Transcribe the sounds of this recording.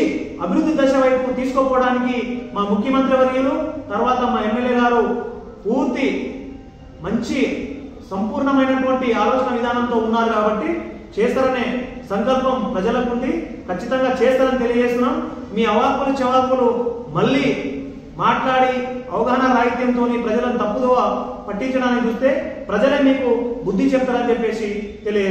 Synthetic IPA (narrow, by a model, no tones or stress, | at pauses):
ɐbʱiɾud̪ːid̪ɐʃɐʋɐjput̪iːsukɔːkɔːʋɐɽaːnikimaːmukʰjɐmɐnt̪ɾiʋɐɾɡiɾut̪ɐɾuʋaːt̪ɐmaːemːeljeːɡaːɾu | puːɾt̪i | mɐɲt͡ʃi | sɐmpuːɾɳɐmɐjnɐʈuʋɐɳʈiaːloːt͡ʃɐnɐʋid̪ʱaːnɐnt̪o̞ːunːaːɾukaːbɐʈːi | t͡ʃɛːsaːɾɐne̞ːsɐŋkɐlpɐmpɾɐd͡ʒɐlɐkuɳɖikɐt͡ʃːit̪ɐŋɡaːt͡ʃɛːsaːɾɐnit̪̬e̞lijɐd͡ʒeːsinaːm | miːɐʋaːɾp̪ɐlut͡ʃɛʋaːɾpɐlumɐɭːiː | maːʈlaːɽiɐʋɐɡaːɦnaɾaːjit̪jɐmt̪o̞ːnipɾɐd͡ʒɐlɐkut̪ɐpːud̪ɔːapɐʈːiɲt͡ʃɐɽaːnikit͡ʃuːst̪e̞ːpɾɐd͡ʒɐleːmiːkubud̪ʱːit͡ʃɛːp̚t̪ːaːɾɐɲd͡ʒepːe̞ːsi | t̪e̞li